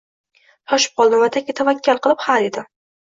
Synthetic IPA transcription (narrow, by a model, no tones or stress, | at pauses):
t̪ʰɒʃɪ̥p̚qɒlˠd̪nɪmat̪akʲɪt̪ʰavakʲʰːalˠqɨlˠɪphaled̪ɪ